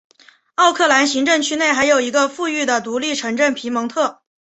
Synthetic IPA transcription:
ɑ˥˧ʊkʰɤ˥˩la˧˥nɕi˧˥ŋʈ͡ʂɤ˥˩ŋt͡ɕʰy˥ne˥˩ɪxa˧˥ɪjo˨˩ʊi˧˥ɡə˧fu˥˧y˥˩d̪ə˩t̪u˧˥li˥˩ʈ͡ʂʰɤ˧˥ŋʈ͡ʂə˥˩npʰi˧˥mɤ˧˥ŋt̪ʰɤ˥˩

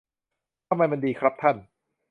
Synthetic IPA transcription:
t̪ʰa˧mːa˧jma˧ndiː˧kʰɾa˦˥p̚t̪ʰa˥˩n

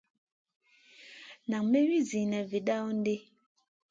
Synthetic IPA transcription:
na˨ŋme˦ɥi˦zi˨nɛ˨ve˨ɗa˦n̩˦de˦

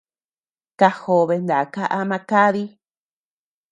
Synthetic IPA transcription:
ka˧ho˧βe˧nd̪a˨ka˦ʔa˧mã˧ka˦ði˦

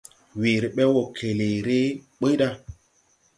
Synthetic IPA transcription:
we˨ɾe˨ɓɛ˦wo˨kʰe˨le˨ɾe˦ɓə˦ɗa˦

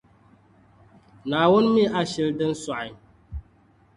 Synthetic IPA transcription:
naː˨wʊ˦nmi˦ʔa˨ʃi˦ldɨ˦n̩˦sa˨

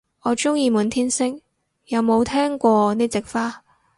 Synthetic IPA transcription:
ɔː˨˧t͡ʃʊ˥ŋjiː˧muː˨˧nt̪ʰiː˥nsɪ˥ŋ | jɐ˨˧wmo˨˧wt̪ʰɛː˥ŋkʷɔː˧niː˥t͡sɪ˨k̚faː˥

